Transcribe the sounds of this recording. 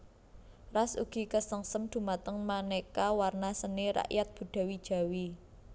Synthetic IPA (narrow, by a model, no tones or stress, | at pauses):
rasṵɡ̥i̤kəsəŋsəmd̪̥ṳmat̪əŋmanekawarnasəneɾa̰ʔjat̪̚b̥ṳɖ̪̥ä̤wid̥ʒ̥a̤wi